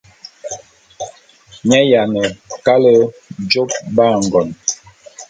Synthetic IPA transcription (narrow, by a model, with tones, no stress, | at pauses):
ɲɛ˦ja˨nə˨ka˦lə˦d͡ʒo˦p̚ba˦˨ŋ˨ɡɔ˨n